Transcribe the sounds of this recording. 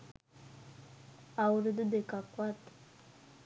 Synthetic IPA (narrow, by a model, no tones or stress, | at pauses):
awɾed̪əd̪ekakwat̪